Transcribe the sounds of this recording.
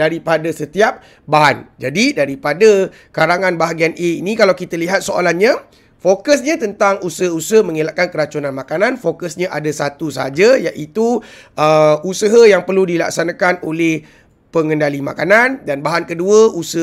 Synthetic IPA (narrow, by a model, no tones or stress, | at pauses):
daɾipadasət̪iap̚ | baɦand͡ʒadidaɾipada | kaɾaŋãnbaɦaɡianeinĩkalawkit̪aliɦat̪̚soa̰lanɲa | fokəsɲãt̪ənt̪aŋusəɦəusəəhmə̃ŋilaʔ̚kankəɾat͡ʃunãnmakananfokəsɲaʔadasat̪usəɦad͡ʒajaʔit̪uəusəɦəjaŋpərludila̰k̚sanãkanoleh | pəŋəndalima̰kanandanbaɦankəduəʔusə